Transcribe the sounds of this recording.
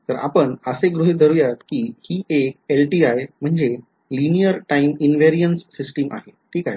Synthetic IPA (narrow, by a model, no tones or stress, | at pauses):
t̪əɾa̰pəɳəseɡɾuɦid̪ʱəɾujat̪kiːhiːʔek̚elʈiajm̤əɳd͡ze | linijəɾʈaiminʋeɾiənsːisʈimʔa̰ɦeʈʰiːkaɦj